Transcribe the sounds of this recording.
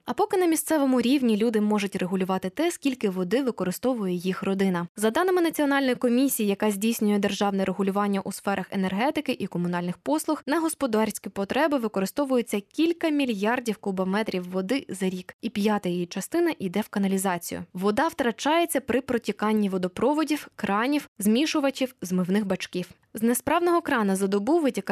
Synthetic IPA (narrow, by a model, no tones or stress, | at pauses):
ɐpɔkɪn̪ɐmʲist̪sɛʋɔmʊɾʲiʋnʲilʲud̪ɪmɔʒʊtʲreɦʊlʲʊʋɑt̪ɪt̪ɛskʲilʲkɪʋɔd̪ɪʋɪkɔɾɪst̪ɔʋʊjɛjixrɔd̪ɪnɐzɐd̪ɑnɪmɪnɐt͡sʲiɔn̪ɑlʲnɔjikɔmʲisʲijijɐkɑzʲdʲijsʲnʲʊjɛd̪erʒɑwnɛɾʔeɦʊlʲʊʋɑnʲːɐʔusfɛɾʔɐxenerɦɛt̪ɪkɪʔikɔmʊnɑlʲnɪxpɔslˠʊxnɐɦɔspɔd̪ɑɾʲsʲkʲɪpɔt̪ɾɛbɪʋɪkɔɾɪst̪ɔʋʊjet͡sʲːɐkʲilʲkɐmʲilʲjɑrdʲiwkʊbɐmɛt̪ɾʲiwːɔd̪ɪzɐɾʲikipʲjɑt̪ɐjijit͡ʃɐst̪ɪnɐʔid̪ɛwkɐnɐlʲizɑt͡sʲḭjʊ̰ʋɔd̪ɑwt̪ɾɐt͡ʃɑjet͡sʲːɐpɾɪpɾɔtʲikɑnʲːiʋɔd̪ɔpɾɔʋɔdʲiwkɾɑnʲiwzmʲiʃʊʋɐt͡ʃʲiwzmɪwnɪxbɐt͡ʃkiw | znespɾɑwnɔɦɔkɾɑnɐzɐd̪ɔbuʋɪtʲik